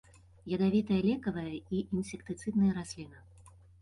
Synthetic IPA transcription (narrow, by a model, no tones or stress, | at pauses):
jɐd̪avʲit̪ɐjɐlʲɛkɐvɐjɐiʔinsʲɛkt̪ɨt̪sɨd̪nɐjɐɾasʲlʲinɐ